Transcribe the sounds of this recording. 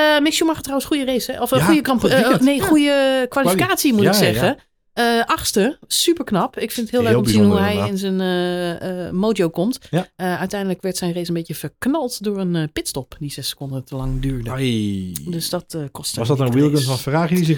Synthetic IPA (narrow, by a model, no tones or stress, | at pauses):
əmɪksjumaxətːrawənsxujəreːsɛɔfujəkmneːxujəkʋalifikaːtsimutɪksɛɣə | əʔaxstəsypəɹknɑpɪkfɪntəthɪːlˠøːɔməzinhuɦɛjɪnsən | moːdijowkɔmtəœɥtɛjndələkʋɛɹtsɛjnresənbetjəfəɹknɔlˠtdʊːrənpɪtstɔpdiz̥ɛsə̥kʊndətəlɑŋdyːɹdə | døsdɔtkɔstsdɔtəɪlˠɡənfɔnfəraːxjədizɪ